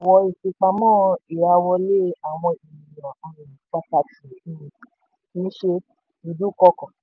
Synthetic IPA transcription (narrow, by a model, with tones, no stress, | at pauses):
wɔ˧i˧˨ʃe˧k͡pa˧mɔ̃ː˦i˨ɾa˧wɔ˧le˦a˨w̃ɔ̃˧i˨ɔ̃˨˦ĩ˨ĩ˨k͡pa˧ta˧ti˨˦˨ĩ˦ĩ˨ | nĩ˦ʃe˧ | nĩ˧du˦˨kɔ˧˦kɔ̃˨